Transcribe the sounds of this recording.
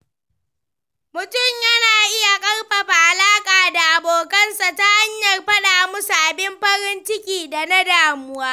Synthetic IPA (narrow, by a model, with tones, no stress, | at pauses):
mʊ˨tʊ˦˨mjɐ˦naː˨ʔɪ˦ja˨kʼɐ˦rɸɐ˨ɸa˨ʔa˨laː˦kʼaː˨da˨ʔa˨boː˨kɐ˦nsa˨ta˦ha˦ɲjɐ˨rɸɐ˦ɗaː˨mʊ˦sa˨ʔa˨bɪ˦mɸɐ˦ɾɪ˦nt͡ʃɪ˦kʲʼiː˨da˨na˦daː˨mʊ˦waː˦